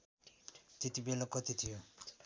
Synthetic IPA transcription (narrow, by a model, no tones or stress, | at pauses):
t̪et̪ibelakʌt̪it̪ʰijo